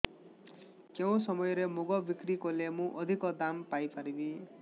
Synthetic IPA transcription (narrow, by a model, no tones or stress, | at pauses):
kew̃sʌmʌjɾemuɡʌbikrikolemũʔʌd̪ʱikʌd̪ampajpaɾibi